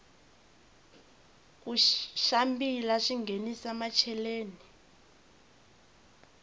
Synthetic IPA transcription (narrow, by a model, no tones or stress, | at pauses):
k̬uʃambilaʂiŋɡʱenisamat͡ʃʰɛleːni